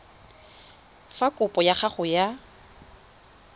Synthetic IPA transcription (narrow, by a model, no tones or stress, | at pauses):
fakʼʊpʼɔjaχaχʊja